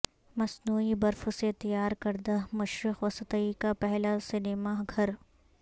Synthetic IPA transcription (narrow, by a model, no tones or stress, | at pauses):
mɐsnuːibɐɾfʊset̪ɐjaːɾkɐɾd̪amɐʃɾɪxʋɐsət̪əikapɛɦlasɪnɪmaɡʱɐɾ